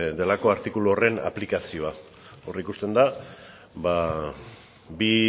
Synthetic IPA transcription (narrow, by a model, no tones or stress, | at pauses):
d̪e̞lako̞aɾt̪ikuluo̞re̞na̰plikasio̞a | o̞rikust̪e̞nd̪a | ba | bi